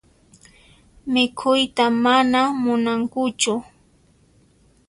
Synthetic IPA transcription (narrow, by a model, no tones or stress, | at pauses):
mɪkʰʊjt̪amanamʊnaŋkʊt͡ʃʊ